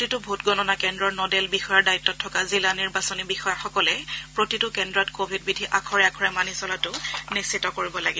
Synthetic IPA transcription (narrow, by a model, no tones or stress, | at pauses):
titʊbʱutɡɔnɔnakɛndɹɔɹnɔdelbixɔjaɹdaitːɔtʰːɔkazilaniɹbasonibixɔjaxɔkɔlɛpɹotitʊkɛndɹɔtkobʱid̚bidʱiʔakʰɔɹɛakʰɔɹɛmanisɔlatʊnisːitːɔkoɹibɔlaɡib